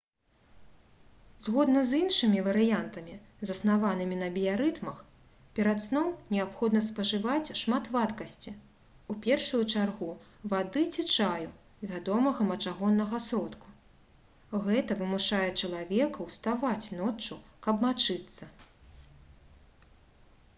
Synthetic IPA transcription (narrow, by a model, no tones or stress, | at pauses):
zɣɔd̪nɐzinʂɨmʲivɐɾɨjant̪ɐmʲi | zɐsnavanɨmʲinɐbʲijaɾɨt̪mɐx | pʲɛɾat̪snɔwnʲɛapxɔd̪nɐspɐʐɨvat͡sʲʂmat̪vat̪kɐsʲt͡sʲi | upʲɛrʂujut͡ʂarɣu | vad̪ɨt͡sʲit͡ʂaju | vʲad̪ɔmɐɣɐmɐt͡ʂaɣɔnːɐɣɐsɾɔt̪ku̥ | ɣɛt̪ɐvɨmuʂajɛt͡ʂɐlˠavʲɛkɐwst̪avat͡sʲnɔt͡ʂːukɐbmat͡ʂɨt̪sːɐ